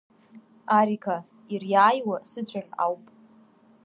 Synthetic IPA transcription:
aɾikʰa | irjaːjwasɨt͡ɕʷʰʼana̰wpʼ

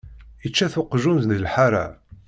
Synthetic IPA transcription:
ət͡ʃːæθʊqʒunznðəlħaɾa̰

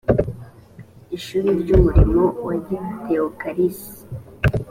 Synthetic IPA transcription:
iʃuɾiɾɟumuɾimowaɟiteokaɾisi̥

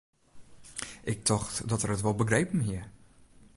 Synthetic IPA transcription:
ʔɪk̚tʰɔxtdɔtərətʋɔlˠbəɡrejpm̩ɦiə

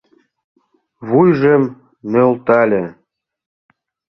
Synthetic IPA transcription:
βujʒem | nølt̪ɑlʲĕ

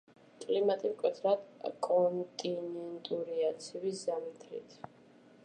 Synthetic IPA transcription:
kʼlimat̪ʼimkʼwɛt̪ʰɾad̪kʼɔnt̪ʼinɛnt̪ʼuɾiat̪sʰiviszamt̪ʰɾḭt̪ʰ

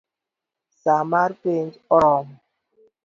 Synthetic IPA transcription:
samaɾpend͡ʒɔɾɔm

